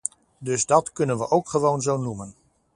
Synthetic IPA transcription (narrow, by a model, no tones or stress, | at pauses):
dɵzdɑtkɵnənʋəʔowkχəʋownzownumən